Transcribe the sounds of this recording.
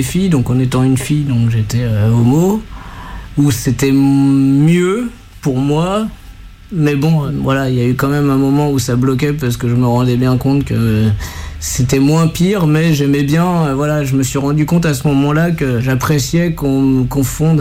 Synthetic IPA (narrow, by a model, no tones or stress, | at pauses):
efijd̪ɔ̃kɑ̃net̪ɑ̃ynfijd̪ɔ̃kʒet̪ɛøomo | uset̪ɛmjø | puʁmwa | mɛbɔ̃vwalailjaykɑ̃mɛmɛ̃mɔmɑ̃usablɔk̬ʲɛpaʁsə̥kəʒəməʁɑ̃d̪ɛbjɛ̃kɔ̃t̪kə | set̪ɛmwɛ̃piʁmɛʒɛmɛbjɛ̃øvwalaʒəməsɥiʁɑ̃d̪ykɔ̃t̪asəmɔmɑ̃lakəʒapχesjɛkɔ̃məkɔ̃fɔ̃d̪